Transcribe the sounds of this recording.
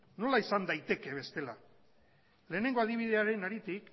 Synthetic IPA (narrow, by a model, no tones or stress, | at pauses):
no̞laisand̪ajt̪e̞ke̞β̞e̞st̪e̞la̰ | le̞ːne̞ŋɡo̞að̞iβ̞ið̞e̞aɾe̞naɾit̪ik